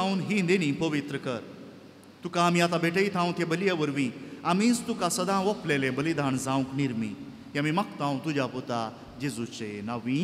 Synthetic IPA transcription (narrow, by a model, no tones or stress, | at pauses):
aũnɦĩnd̪eɽ̃ĩpəʋit̪ɾəkəɾ | t̪ukãːmiat̪abeʈʰəjt̪ʰãũnt̪jabəlijaʋəɾʋĩamĩːst̪ukasəd̪ʱãʋɔplelẽbəlid̪ʱaɳd͡zãʋũkniɾmḭ | ɦiamiməkt̪ãũt̪ud͡ʑaput̪a | d͡ʑid͡zut͡ɕenaʋĩ